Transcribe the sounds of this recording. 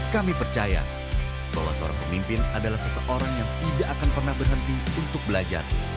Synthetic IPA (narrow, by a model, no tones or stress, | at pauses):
kamipərt͡ʃaja̰ | ba̰ɦwa̰səo̰ɾa̰ŋpəmimpɪnadalahsəsəʔoɾaŋjaŋt̪idaʔakanpərnahbərɦənt̪iunt̪ʊk̚bəlad͡ʒa̰r